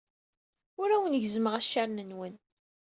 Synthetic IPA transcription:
ʊɾæwənʝzməʁæʃːæɾnənwən

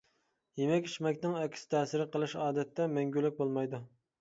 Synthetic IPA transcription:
jemɛkʲi̥ʃmɛkʲnɪŋɛkʲʰsɪ̥t̪ʰɛːsɪɾɪqʰəlˠɨʃɑːd̪ɛt̪ːɛmɛŋɡʲylːɪk̚ʲbolˠmɑjd̪u

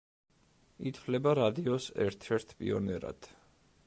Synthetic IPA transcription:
it̪ʰvlɛbaɾad̪iɔsɛ̰ɾt̪ʰɛɾt̪ʰpʼḭɔnɛɾa̰d̪̥

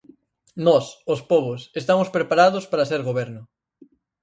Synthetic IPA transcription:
nɔsospɔβʊsest̪amospɾepaɾað̞ʊspaɾɐaseɾɣoβɛɾnʊ

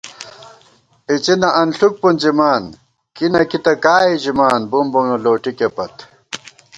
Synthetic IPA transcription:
it͡ɕinɐʔɐnɬuk̚pund͡ʑimaːn | kinɐkit̪ɐkaːiʑimaːnbumboŋnoloːʈikepɐt̪

